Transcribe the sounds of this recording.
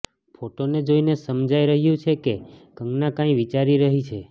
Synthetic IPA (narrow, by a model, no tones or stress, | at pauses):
pʰoʈoned͡ʒoinesəmd͡ʒaiɾəɦjũt͡ʃʰekekəŋɡnakãĩʋit͡ʃaɾiɾəɦit͡ʃʰe